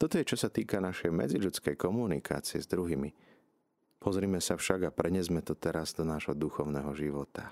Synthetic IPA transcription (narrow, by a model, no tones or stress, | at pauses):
t̪ɔt̪ɔjɛt͡ʃɔsat̪iːkanaʃɛjmɛ̰d͡ziʎut͡skɛjkɔmunikʰa̰ːt͡siɛ̰zd̪ɾuɦiːmi | pʰɔzɾiːmɛsafʃaɡapɾɛɲɪɛzmɛt̪ɔt̪ɛɾazd̪ɔnaːʒɦɔd̪uxɔʊnɛɦɔʒiʋɔt̪a